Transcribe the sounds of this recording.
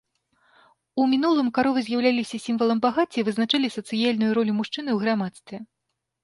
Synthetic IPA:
umʲinulˠɨmkaɾɔvɨzʲjawlʲalʲisʲɐsʲimvɐlˠɐmbaɣat͡sʲːivɨznat͡ʂalʲisɐt̪sɨjalʲnujuɾɔlʲimuʂt͡ʂɨnɨwɣɾamat̪st̪vʲɛ

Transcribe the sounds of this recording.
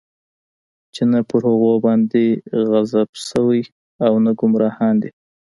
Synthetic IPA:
t͡ʃenapəɾhʊɣobɑnd̪eɣazabsəwəj | awnaɡʊmɾɑhɑnd̪i

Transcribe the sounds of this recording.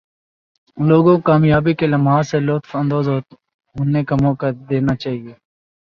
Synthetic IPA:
loːɡõːkaːmjaːbikeləmɦaːseloːt̪fə̃nd̪oːzoː | ɦʊnːekamɔːkad̪eːnaːt͡ʃaːɦieː

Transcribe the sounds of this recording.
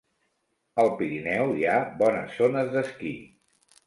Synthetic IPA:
əlˠpiɾinɛwiabɔnə̰sːonəzðəskḭ

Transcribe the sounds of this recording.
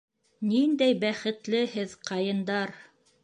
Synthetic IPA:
nind̪æjbæχɘ̆t̪lɘhɘðqɑjɤ̆nd̪ɑɾ

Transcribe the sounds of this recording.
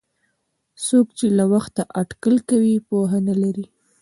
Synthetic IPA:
sokt͡ʃelawaxt̪aʔaʈkəlkawipoɦanalaɾi

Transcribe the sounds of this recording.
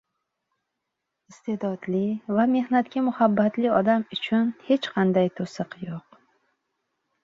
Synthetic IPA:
ɪst̪ʰe̞d̪ɒd̪lɪvame̞hnat̪̚kʲamʊhabːat̪lɪɒd̪amʊt͡ʃʰʊnhe̞t͡ʃqʰɑnd̪ajt̪ʰosɨqjoq̚

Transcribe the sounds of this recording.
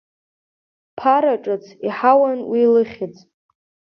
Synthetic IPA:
pʰaɾaʈ͡ʂʼɨt͡sʰiħawanwilɨχʲɪt͡sʼ

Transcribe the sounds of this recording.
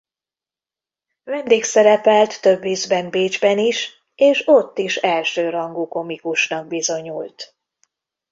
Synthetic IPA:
vɛnd̪eːksɛɾɛpɛlt̪ːø̞bːizbɛmbeːd͡ʒbɛniʃ | eːʃo̞t̪ːiʃɛlʃøːɾɒŋɡuːko̞mikuʃnɒɡ̚bizo̞ɲult̪

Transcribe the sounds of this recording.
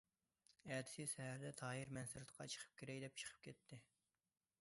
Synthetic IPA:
ɛːd̪ʰɪ̥sɪsɛhæɾd̪ɛt̪ʰɑːɦɨɾmɛnsɪɾɨt̪qʰɑt͡ʃʰə̥qʰə̥p̚kʲʰeɾɛkd̪ɛp̚t͡ʃʰə̥qʰə̥p̚kʲʰɛt̪ʰːɪ

